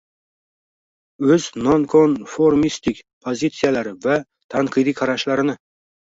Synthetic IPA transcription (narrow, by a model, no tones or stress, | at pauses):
ɵznonkʰonfoɾmist̪ɪkʲpʰozʲit̪sɨjalaɾɪva | t̪ʰaɴqʰɨjd̪ijqʰɑɾaʃlaɾɪnɪ